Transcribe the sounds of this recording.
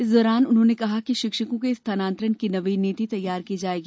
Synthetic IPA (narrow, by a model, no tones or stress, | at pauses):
ɪsd̪ɔːɾaːnʊnɦõːnekɐɦakiʃɪkʃəkõkest̪ʰaːnãːnt̪ɾənkinɐʋiniːt̪it̪ɐjːaːɾkiːd͡ʒaːeːɡiː